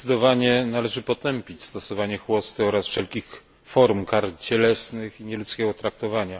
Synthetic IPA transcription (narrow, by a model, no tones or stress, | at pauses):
ɘd̪ɔvaɲɛnalɛʐɘpɔt̪ɛmpʲit͡ɕst̪ɔsɔvaɲɛxwɔst̪ɘɔɾasfʂɛlkʲix | fɔɾmkaɾt͡ɕɛlɛsnɘxiɲɛlut̪skʲɛɡɔt̪ɾak̚t̪ɔvaɲa